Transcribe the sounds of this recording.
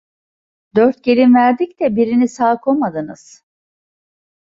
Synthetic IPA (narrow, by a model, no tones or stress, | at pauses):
d̪øɾt̪̚ɟe̞lʲinvæɾd̪ic̚d̪ɛbiɾinisaːɯkʰo̞mad̪ɯnɯz̥